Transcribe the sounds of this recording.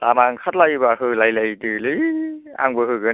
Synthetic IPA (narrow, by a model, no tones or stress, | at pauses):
tamaŋkʰat̚lajbaɦɯlajlajtɯlɯja̰ŋbɯɦɯɡɯ